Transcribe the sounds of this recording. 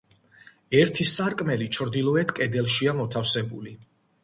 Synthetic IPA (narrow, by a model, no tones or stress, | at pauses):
ɛɾt̪ʰisaɾkʼmɛlit͡ʃʰɾd̪ilˠɔɛt̪ʰkʼɛd̪ɛlˠʃiamɔt̪ʰafsɛbuli